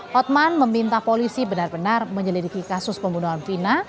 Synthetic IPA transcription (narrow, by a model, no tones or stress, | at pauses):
ɔt̪̚manməmint̪ahpolisibənarbənarməɲəlid̪ikikasʊspəmbunuɦanfina